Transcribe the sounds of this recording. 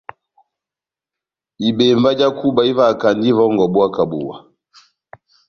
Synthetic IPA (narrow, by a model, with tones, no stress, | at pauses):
i˨be˨ɱva˦d͡ʒa˦ku˦ba˨i˦va˦˨ka˨ndi˦vɔ˦ŋɡɔ˨bwa˦ka˨bṵ˨wa˨